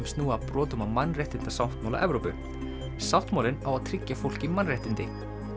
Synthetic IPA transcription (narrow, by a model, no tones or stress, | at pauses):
mst̪nuːapɾɔːt̪ʏmawmanːrejht̪ɪnt̪asawht̪mawla̰ʔɛ̰vɾowpʏ | saw̥t̪maːwlɪnawaðt̪ʰɾɪcːafowl̥cɪmanrejht̪ɪnt̪ɪ